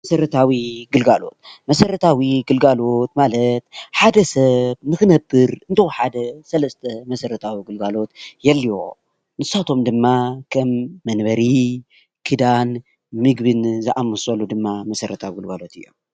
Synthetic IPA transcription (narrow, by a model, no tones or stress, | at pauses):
mɐsɐɾɐt̪ʰawiɡɨlɡalo̞̰t̪̚mɐsɐɾɐt̪ʰawiɡɨlɡalo̞t̪malɐt̪ħad̪ɐsɐβnɨxɨnɐbːɨɾɨnt̪ʰɐwħad̪ɐsɐlɐst̪ʰɐmɐsɐɾɐt̪ʰawiɡɨlɡalo̞t̪jɛlːio̰ | nɨsat̪ʰo̞md̪ɨmːakʰɐmːɐnbɐɾi | kʰɨd̪an | mɨɡbɨnzɨʔamɨsɐlːud̪ɨmːamɐsɐɾɐt̪ʰawiɡɨlɡalo̞t̪ʰɨjːo̰m